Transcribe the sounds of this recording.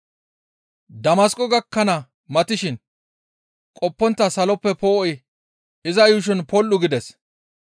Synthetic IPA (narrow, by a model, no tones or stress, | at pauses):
d̪ɐmɐskʼɔɡɐkːɐnɐ | mɐt̪ɪʃɪn | kʼɔpːɔnt̪ːɐsɐlɔpːɛpoːʔɔj | ɪzɐjʊʃ̬ɔnpɔlːʊɡɪd̪ɛs